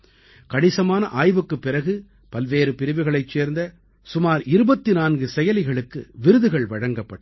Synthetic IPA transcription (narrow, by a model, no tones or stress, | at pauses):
kɐɳɪsɐmaːnɐʔaːjʋɯkːɯpːɪɾɐɣɯ | pɐlʋeːɾɯpɪɾɪʋɪɣɐɭɐɪt͡ʃːeːɾnd̪ɐ | sʊmaːɾɪɾɯbɐt̪ːɪnaːnɡɯsɛjɐlɪɣɐɭɯkːɯʋɪɾɯðɯɣɐɭʋɐɻɐŋɡɐpːɐʈː